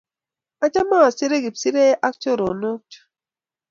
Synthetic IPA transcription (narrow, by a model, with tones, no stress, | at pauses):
a˦t͡ʃa˦ma˦a˨si˦ɾe˦ɡi˨psi˦ɾe˦ʔa˦k̚t͡ʃo˦˨ɾo˨nu˦k̚t